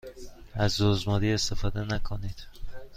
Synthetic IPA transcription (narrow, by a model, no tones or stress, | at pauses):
æzːoːzmɒːd̪iːe̞st̪e̞fɒːd̪enækʰoniːd̪̥